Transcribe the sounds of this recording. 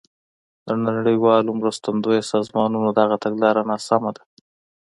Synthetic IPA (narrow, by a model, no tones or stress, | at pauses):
d̪ənaaɽəjwɑlomɾəst̪and̪ojosɑzmɑnunod̪aɣat̪aɡlɑɾanɑsamad̪a